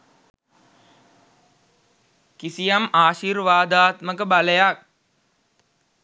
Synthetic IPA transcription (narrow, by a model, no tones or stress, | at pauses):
kisijamaːʃiːrʋaːd̪aːt̪məkəbaləjak̚